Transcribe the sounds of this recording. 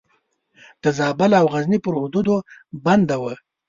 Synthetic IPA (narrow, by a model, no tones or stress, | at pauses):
d̪̥əzɑbalawɣaznipəɾhʊd̪ud̪oband̪awə